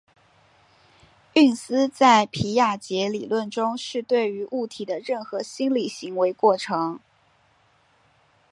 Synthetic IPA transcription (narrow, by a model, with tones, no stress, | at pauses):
y˥˩nsɹ̩˥t͡sa˥˩ɪpʰi˧˥ja˥˩t͡ɕjɛ˧˥li˨˩lwə˥˩nʈ͡ʂʊ˥ŋʂɻ̩˥˧t̪we˥˩ɪy˧˥ʔu˥˩t̪ʰi˨˩d̪ə˦ɻə˥˩nxɤ˧˥ɕi˥nli˨˩ɕi˧˥ŋwe˧˥ɪkwɔ˥˩ʈ͡ʂʰɤ˧˥ŋ